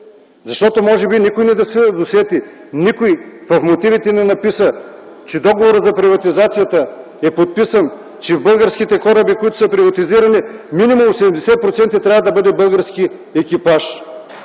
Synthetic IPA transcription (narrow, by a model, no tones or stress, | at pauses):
zɐʃt̪ɔt̪omɔʒɛbinikojnɛd̪ɐsɛd̪osɛt̪i | nikojvɐfmot̪ivit̪ɛnɛnɐpisə | t͡ʃɛd̪ɔɡovoɾət̪zɐpɾivɐt̪izat̪sijət̪ə | ɛpot̪̚pisən | t͡ʃɛvbɤlˠɡəɾskit̪ɛkɔɾəbikoit̪ʊ̥sɐpɾivɐt̪iziɾɐniminimumsɛd̪ɛmd̪ɛsɛt̪̚pɾot̪sɛnt̪ɐt̪ɾʲavɐd̪ɐbɤd̪ɛbɤlˠɡəɾski | ɛkʲipaʃ